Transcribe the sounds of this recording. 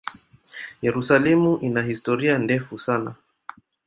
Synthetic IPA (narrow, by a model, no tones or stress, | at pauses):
jɛɾusalɛmuʔinahistɔɾiandɛfusana